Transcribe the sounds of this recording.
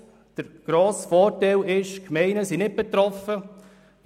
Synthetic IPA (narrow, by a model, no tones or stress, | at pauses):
d̥əɾɡ̥ɾoːsfɔːɾtɛlɪʃkmɛɪnəsinɪt̚b̥ɛt̪ɾɔfə